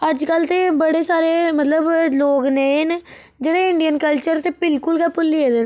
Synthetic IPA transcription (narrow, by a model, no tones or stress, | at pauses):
ɐʈd͡ʒkalt̪ebɐɽeːsaːɾemɐt̪ləbloːɡnen | d͡ʒeɽaɪɳɖɪjənkɐlt͡ʃəɾt̪epɪlkʊlkapʊlːied̪e